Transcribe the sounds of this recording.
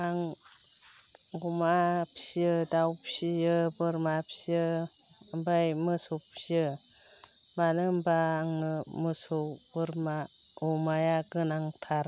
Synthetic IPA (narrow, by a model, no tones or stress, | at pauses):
aŋ | ɡumapʰsiɯdawpsijɯbɯɾmapʰsiɯ | mbajmɯsopsiɯ | banɯmbaŋɯmɯsobɯɾma | omajaɡɯnaŋtʰaɾ